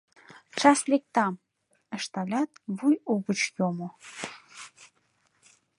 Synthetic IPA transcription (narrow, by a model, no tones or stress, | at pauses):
t͡ʃɑslek̚t̪ɑm | ə̆ʃt̪ɑlʲɑt̪vujuɣə̆t͡ɕjomo